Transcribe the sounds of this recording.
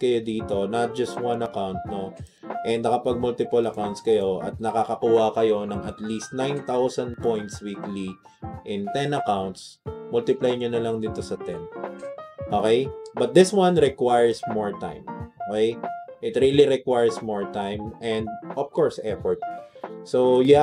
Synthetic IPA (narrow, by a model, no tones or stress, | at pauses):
kɐjod̪iːt̪o̞nɐt̪̚d͡ʒɐst̪̚wɐ̃nɐkawnt̪̚no | ʔɛnd̪ɐkɐpɐɡ̚mʊlt̪ɪpʊlɐkawnt̪skɐjo̞ʔɐt̪̚nɐkakɐkuːhɐkɐjo̞nɐŋɐt̪list̪̚nãjnt̪awsɐ̃nd̪̚põjnt̪swikli | ʔɪ̃nt̪ɛ̃nɐkawnt̪smʊlt̪ɪplajɲonɐlɐŋd̪ɪt̪osɐt̪ɛn | ʔokejbɐt̪̚d̪ɪswɐ̃nɹɛkwajəɹsmɔɹt̪ã̰j̃mʔokɛjʔɪt̪ɾiliɾɛkwajɹsmoɹt̪ãjmɛ̃nd̪̚ʔɔv̥kɔɹsʔɛfɔɹt̪̚soja